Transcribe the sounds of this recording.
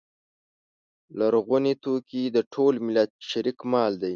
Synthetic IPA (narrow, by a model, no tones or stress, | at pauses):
laɾɣunit̪okid̪əʈʰolmɪlat̪̚ʃaɾikmɑld̪aj